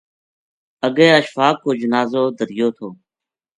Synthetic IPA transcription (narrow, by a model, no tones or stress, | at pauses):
əɡẽːəʃfaːkːoːd͡ʒənaːzoːd̪əɾɪjoːt̪ʰoː